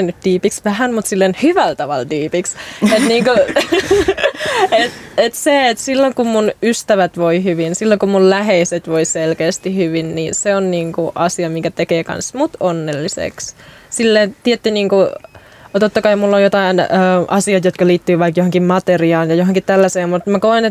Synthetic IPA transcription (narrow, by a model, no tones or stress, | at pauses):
enyt̪d̥̪iːpiksʋæhænmut̪silːenhyʋælt̪ɑʋɑ̰ld̪iːpikset̪niːŋku | et̪et̪seet̪silːoŋkummunyst̪æʋæt̪ʋoihyʋinsilːoŋkummullæɦeiset̪ʋoiselkeːst̪ihyʋinniseonniːŋkuʔɑsiɑmiŋkæt̪ekeːkɑ̰nsmut̪onːelːisḛkssilːeːnt̪iet̪ːiniːŋku | t̪ot̪ːɑkɑimulːojot̪ɑinøːʔɑsiɑt̪jot̪kɑliːt̪ːyːʋɑikjohoŋkimmɑt̪eriɑːnjɑjoɦoŋkit̪t̪ælːæseːmmut̪mækoenet̪